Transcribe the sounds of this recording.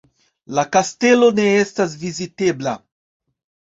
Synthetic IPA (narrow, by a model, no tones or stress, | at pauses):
lakast̪elo̞neestas̬vizit̪ebla̰